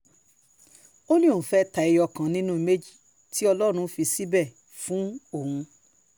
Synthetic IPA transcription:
o˦nĩ˦õ˦˨fɛ˦ta˨i˧jɔ˧kã˨nĩ˦nũ˦i˧me˦d͡ʒi̥˦˨ | ti˦ɔ˧lɔ˦ɾ̃ũ˧˦fi˧si˦bɛ˦˨ | fũ˨˦o˦˨hũ˧

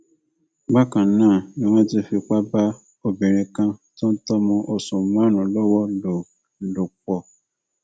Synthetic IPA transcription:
ɡ͡ba˦kã˨nãː˦˨nĩ˨w̃ɔ̃˦ti˧˦fi˧k͡pa˦ba˦ | o˨bẽ˨ɾ̃ẽ˧kã˧tõ˦n̩˦tɔ˦mɔ̃˧ʔo˧sũ˨mã˨˦nũ˨lɔ˦wɔ˦lo˨ | lo˨k͡pɔ˨

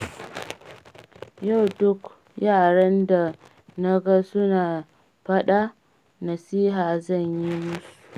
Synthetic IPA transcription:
ja˦˨wdʊ˦k | jaː˦˨ɽɐ˦nda˨ | na˦ɡa˦sʊ˦naː˨ | ɸɐ˦ɗa˦ | nɐ˨siː˦ɦaː˨zɐ˦˨ɲji˦mʊ˦su˨

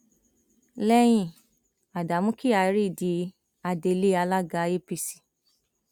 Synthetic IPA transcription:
lɛ˦j̃ĩ˧˨ | a˨da˨˦mũ˦ki˦a˨˦ɾi˦˨di˨˦ | a˧de˧˦le˦a˧la˦ɡa˧˦je˦pi˧si̥˨

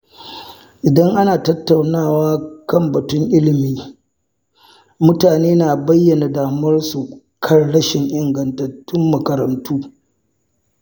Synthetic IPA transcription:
ʔɪ˨dɐ˦ŋʔa˦naː˨tɐ˦tːa˨wnaː˦˨waː˦kɐ˦mbɐ˨tʊ˦ŋʔɪ˦lɪ˨miː˦ | mʊ˦taː˨neː˦naː˨bɐ˦jːɐ˨na˨daː˨mɐ˦rsu˨ | kʰɐ˦rɽɐ˦ʃɪ˨ŋʔɪ˨ŋɡɐ˨ntɐ˨tːʊ˦mːɐ˨kɐ˨ɾɐ˨ntuː˦

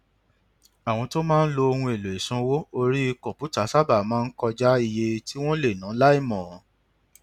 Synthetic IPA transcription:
a˨w̃ɔ̃˧to˦mãː˦n̩˦lo˧o˧hũ˧e˨lo˨e˨sã˧wo˦o˧ɾi˦i˧kɔ̃˨pu˨˦ta˨˦sa˦ba˦˨mãː˦˧n̩˦kɔ˧d͡ʒa˦i˦˨je˧ti˦w̃ɔ̃˦le˦˨nã˨˦la˦i˦˨mɔ̃˨˦

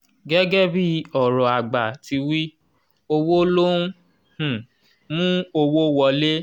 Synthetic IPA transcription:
ɡɛ˦ɡɛ˦bi˦˧ɔ˨ɾɔ˨a˨ɡ͡ba˨ti˧wi˦ | o˧wo˦lo˦nũ˦ | h̩˨ | mũ˦o˧wo˦wɔ˧le˦

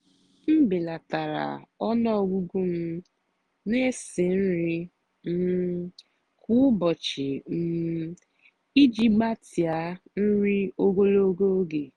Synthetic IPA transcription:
m̩˦bɪ˨la˨ta˨ɾa̰˨ɔ˦nɔ˦ɔ˨ɡʷu˦ɡu˦m̩˦ | ne˦sɪ˨n̩˦ɾɪ˦ | m̩˦ | kʊ˦bɔ˨t͡ʃɪ˨m̩˨ | i˦d͡ʒi˦ba˦ti˨a˦n̩˦ɾi˦o˦ɡo˦lo˦ɡo˦ɡe˨

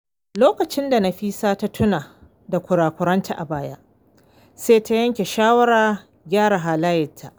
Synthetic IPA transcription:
loː˦kɐ˨t͡ʃɪ˦nda˨na˨ɸiː˦saː˦ta˦tʰʊ˦naː˨ | da˨kʷʊ˨ɽaː˨kʷʊ˨ɾɐ˦ntʰa˨ʔa˨baː˦ja̰˦ʔ | seː˦tʰa˦jɐ˦ŋkʲe˨ʃaː˦wɐ˦ɽaː˨ | ɡʲaː˦ɽa˨ɦaː˨laː˦jɪ˨tʰːa˦˨ʔ

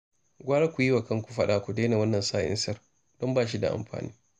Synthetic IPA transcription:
ɡʷaː˦ɽa˦kʷu˨ji˦wa˨kɐ˦ŋkʷu̥˨ɸɐ˦ɗa˨kʷu˨deː˦na˨wɐ˦nːɐ˨nsaː˦ʔɪ̰˦nsɐ˦r | d̥ɔ˦mbaː˦˨ʃ̬i˦da̰˨ʔa̰˨mɸa̰ː˨nḭː˦

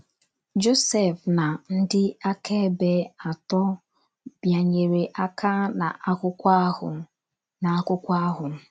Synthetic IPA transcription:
d͡ʒo˦se˨fna˨n̩˦dɪ˦a˦kʰe˦be˨a˨tɔ˦ | bja˨ɲe˨ɾe˨ʔa˦kʰa˦na̰˨ʔa˦kʷʊ˦kʷa˦hʊ̰˨ | na˨a˦kʷʊ˦kʷa˦ɦʊ˨m̩˦

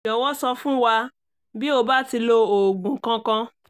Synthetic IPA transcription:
ɔ̃˨wɔ˦sɔ˧fũ˦wa˧ | bi˦o˧ba˦ti˧lo˧o˨ɡũ˨kã˧kã˧

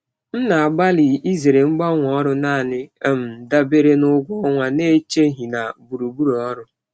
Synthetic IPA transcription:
n̩˦na˨a˨ɡ͡ba˦li˨i˦ze˨ɾe˨ŋ͡m̩˦ɡ͡ba˦ŋʷɔ˦ɾʊ˦naː˦˨nɪ˦m̩˨da˦be˦ɾe˦nʊ˦ɡʷɔ˦ŋʷa˦ne˦t͡ʃe˦ɦi˨na˨bu˨ɾu˨bu˦ɾɔ˦ɾʊ˦

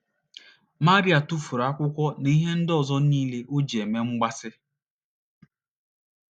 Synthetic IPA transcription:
ma˦ɾi˦a˨tu˦fu˨ɾa˦kʷʊ˦kʷɔ˦ni˦ɦe˦n̩˦dɔ˨zɔ˦niː˦le˦ʔʊ˦d͡ʒe˨me˦ŋ͡m̩˦ɡ͡ba˦sɪ˦

